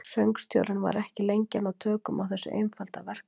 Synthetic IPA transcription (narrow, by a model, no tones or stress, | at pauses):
sœɥŋkst̪jo̰wɾɪnva̰ɾɛhcɪlejɲcanawt̪ʰœːkʏmawθɛsːʏ̰ʔḛjnfalt̪avɛr̥k